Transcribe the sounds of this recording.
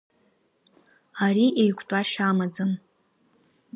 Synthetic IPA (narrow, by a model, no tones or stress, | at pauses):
aɾiʔejkʷʰʼtʼaʃamad͡zɨm